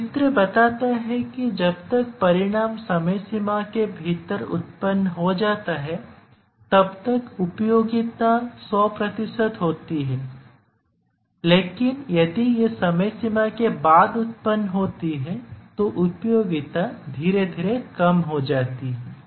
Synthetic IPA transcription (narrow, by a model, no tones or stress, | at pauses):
ɪt̪ɾəbɐt̪aːt̪aɦɛkid͡ʒɐbt̪ɐk̚pɐɾɪɽ̃aːmsɐməjsɪmakebʱit̪əɾʊ̰t̪pənːɦod͡ʒaːt̪aɦɛ | t̪ɐbt̪ɐkʊpjoːɡɪt̪asɔːpɾɐt̪ɪsəd̪ɦoːt̪iɦɛː | leːkɪnjɐd̪ijesɐməjsɪmakebaːd̪ʊt̪̚pənːɦoːt̪iɦɛt̪oʔʊpjoːɡɪt̪ad̪ʱiːɾed̪ʱiːɾekɐmɦod͡ʒaːt̪iɦɛː